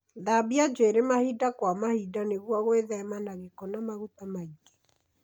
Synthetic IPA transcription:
ðabiad͡ʒeɾemahidakwamahidaneɣwɔɣweðɛmanaɣekɔnamaɣutamaike̥

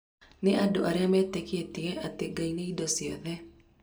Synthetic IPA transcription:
neʔadoʔaɾeamɛːtɛketiɛʔateɡaineidɔsiɔ̰ðɛ

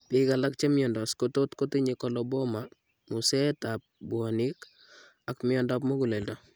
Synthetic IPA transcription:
pikalak̚t͡ʃemɪɔndɔskototkotiɲikolɔbɔma | musɛtap̚buɔnik | akmɪɔndap̬moɡuleldɔ

